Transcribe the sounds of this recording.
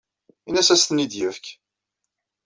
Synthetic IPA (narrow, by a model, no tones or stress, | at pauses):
inæsæst̪ənid̪jəfk